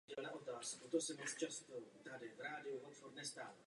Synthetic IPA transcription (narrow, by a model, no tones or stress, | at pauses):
ɛlnaʔot̪aːskot̪osɛmot͡st͡ʃast̪ot̪adɪvɾaːdɪuvot̪foɾnɛst̪aːl